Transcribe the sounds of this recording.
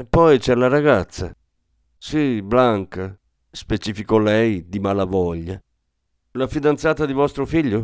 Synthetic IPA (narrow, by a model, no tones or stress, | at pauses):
epːɔjt͡ʃɛlaɾaɡat̪sːa | siblaŋka | spet͡ʃifikɔlɛjd̪imalavɔʎːa | lafid̪ant̪saːt̪ad̪ivɔst̪ɾʊfiʎːʊ